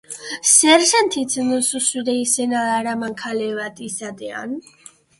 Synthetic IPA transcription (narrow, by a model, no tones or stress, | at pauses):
sɛɾʃant̪ʰisʰnəsusud̪ɛisɛnalaɾamaŋkʰalɛvat̪ʼisad̪ɛa̰n